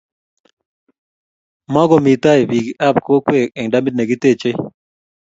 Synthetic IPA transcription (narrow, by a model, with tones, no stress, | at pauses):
ma˦ɡɔ˨mi˨t̪a˦i˨bi˨ɡia˦pko˦kwe˨ɛ˨ŋda˦mi˦dnɛ˨ɡɪ˦t̪e˦t͡ʃe˦